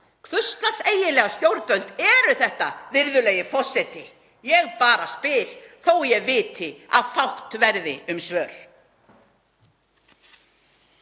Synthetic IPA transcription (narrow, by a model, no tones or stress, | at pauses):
kʰvʏst̪laseːjɪlɛːɣast̪jowɾpœlt̪ɛɾʏθɛht̪aðɪɾðʏleːjɪfɔr̥sɛt̪ɪ | jɛɣpaːɾaspɪːl̥θowjɛɣvɪːt̪ʰɪa̰ðfawht̪vɛɾðɪʏmsvœːɾ̥